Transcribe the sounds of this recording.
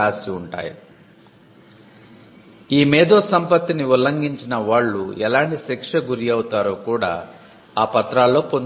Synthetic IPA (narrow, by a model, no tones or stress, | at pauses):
aːsiuɳʈa̰ːjḭ | iːmɛːd̪oːsɐmpɐt̪ːiniulɐŋɡiɲt͡ʃinɐʋaːɭːuɛlaːɳʈisikʂɐɡuɾijɐwut̪aːɾo̞ːkuːɽa̰ː | aːpɐt̪ɾaːlːo̞ːpon